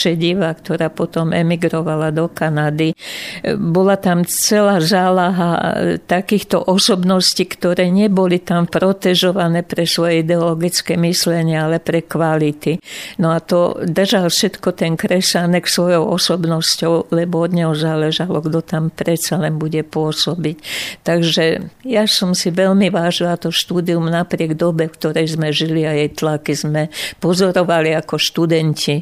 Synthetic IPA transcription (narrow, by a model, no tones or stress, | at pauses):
ʃɛɟiʋakt̪ɔɾaːpɔt̪ɔmɛmiɡɾɔʋalad̪ɔkanad̪i | bɔlat̪amt͡sɛlaːzaːlaɦa̰t̪akiːxt̪ɔʔɔsɔbnɔscikt̪ɔɾɛːɲɛbɔlit̪ampɾɔt̪ɛʒɔʋanɛːpɾɛsʋɔjɛid̪ɛɔlɔɡit͡skɛmislɛɲɪaalɛpɾɛkʋalit̪inɔat̪ɔ̰d̪r̩ʒalfʃɛt̪kɔt̪ɛnkɾɛsanɛksʋɔjɔʊɔsɔbnɔscɔʊlɛbɔɔd̪ɲɔʊzaːlɛʒalɔɡd̪ɔt̪ampɾɛt̪t͡salɛnbuɟɛpʊɔsɔbict̪aɡʒɛjasɔmsiʋɛlmiʋaːʒilat̪ɔʃt̪uːd̪iumnapɾɪɛɡd̪ɔbɛfkt̪ɔɾɛjzmɛʒiliajɛjt̪lakizmɛpɔzɔɾɔʋaliakɔʃt̪ud̪ɛncʰi